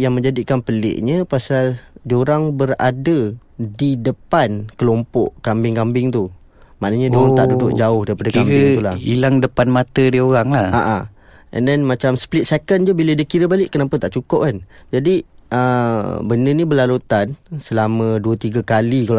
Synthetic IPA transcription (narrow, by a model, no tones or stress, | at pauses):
jaŋmə̃ɲd͡ʒadikanpəlɪ̰ʔɲəpasaldioɾaŋbəɾa̰dədidəpankəlɔmpɔʔkambɪŋkambɪŋt̪u | ma̰ʔnəɲə̃doaŋt̪aʔdudʊʔ̚d͡ʒaʊhdaɾipadakamɪŋt̪ulahilaŋdəpanmat̪ədioɾaŋlahaʔa | ɛ̰ndɛnmat͡ʃamsplɪt̪sekənd͡ʒubilədakiɾəbalɪʔkːənapət̪aʔt͡ʃukʊp̚kand͡ʒadiʔəbənənibəlalut̪ansəlamə̃duət̪iɡakalik